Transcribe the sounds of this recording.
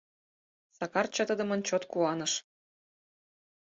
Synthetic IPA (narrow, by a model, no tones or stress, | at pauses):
sɑkɑrt͡ɕɤt̪əd̪ə̆mə̆nt͡ɕot̪kuɑnɤʃ